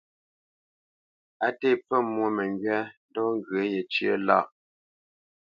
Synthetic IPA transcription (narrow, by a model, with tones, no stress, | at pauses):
a˨te˦˨p͡fə˦˨mwo˨mə˨ŋɡɥɛ˦n˦dɔ˦ŋ˦ɡə˨˦je˨t͡ʃə̰˦la̰˦˨ʔ